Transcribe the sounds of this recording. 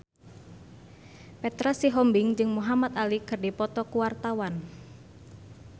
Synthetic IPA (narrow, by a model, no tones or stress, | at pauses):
pɛt̪ɾasiɦɔmbɪŋd͡ʒɨŋmuɦamat̪alikɨrdipɔt̪ɔkuwart̪awan